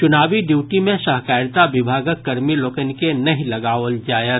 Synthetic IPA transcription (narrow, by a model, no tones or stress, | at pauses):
t͡ʃʊnaːʋiɖjuːʈimẽʃaɦkaːɾt̪abɪbʱaːɡəkːɐɾmiloːkənkenɐɦĩlɐɡaːʋəld͡ʒaːjət̪